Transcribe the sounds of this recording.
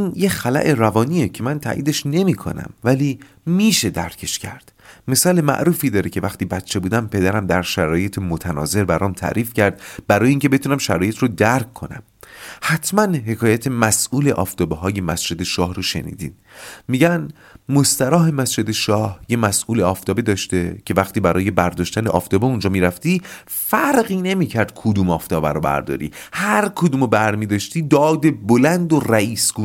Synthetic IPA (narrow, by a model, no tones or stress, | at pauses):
iːnjexælæ̰ʔe̞ɾævɒːniːecʰe̞mænt̪ʰæ̰ːʔiːd̪eʃne̞miːkʰo̞̰næ̰mvæliː | miːʃe̞d̪æ̰ɾcʰe̞ʃcʰæ̰ɾd̪̥me̞sɒːlemæ̰ʔɾuːfiːd̪ɒːɾecʰe̞væxt̪iːbæt̪t͡ʃʰːe̞buːd̪æmpʰe̞d̪æɾæmd̪æɾʃæɾɒːje̞t̪ʰemot̪ʰænɒ̰ːze̞ɾbæɾɒːmt̪ʰæ̰ːɾiːfcæɾd̪bæɾɒːjeiːŋcʰe̞be̞t̪ʰuːnæmʃæɾɒːje̞t̪rod̪æɾkʰːo̞næ̰m | hæt̪ʰmænɦe̞kʰɒːjæt̪ʰemæsʔuːleʔɒ̰ːft̪ʰɒːbeɦɒːje̞mæsd͡ʒe̞d̪e̞ʃɒːhroʃe̞̰nḭːd̪ḭːd̪miːɟæn | most̪æɾɒːɦe̞mæsd͡ʒe̞d̪eʃɒːhjemæsʔuːleɒːft̪ʰɒːbed̪ɒːʃt̪ecʰe̞væχt̪iːbæɾɒːje̞bæɾd̪ɒːʃt̪æneʔɒ̰ːft̪ɒːbeund͡ʒɒːmiːɾæft̪iː | fæɾɢiːne̞miːcʰæɾd̪̥̚kʰod̪uːmɒːft̪ʰɒːbæ̰ɾobæ̰ɾd̪ɒ̰ːɾḭhæɾkʰod̪uːmobæɾmiːd̪ɒːʃt̪iːd̪ɒːd̪e̞bolænd̪oræiːsɡ̥u